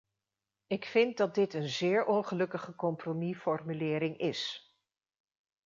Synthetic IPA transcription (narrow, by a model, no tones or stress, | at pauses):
ɪkfɪnt̚dɑt̚dɪtənzɪːɹʔɔnχəlɵkəχəkɔmpromifɔrmylɪːɾɪŋɪs